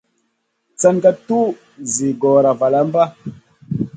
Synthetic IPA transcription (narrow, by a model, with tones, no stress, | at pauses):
t͡sa˦ŋɡa˦tu˦ | zi˨ɡɔ˨ɾa˨va˨la˦m˦ba˦